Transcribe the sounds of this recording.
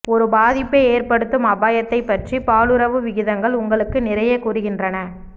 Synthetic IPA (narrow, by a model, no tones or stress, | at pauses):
ɔɾɯbaːðɪpːeːeːrpɐɽɯt̪ːɯmɐbaːjɐt̪ːɐɪpːɐʈripaːɭɯɾɐʋɯʋɪɣɪðɐŋɡɐɭʊŋɡɐɭɯkːɯnɪɾɐjɐkʊrɯɣɪndrɐnɐ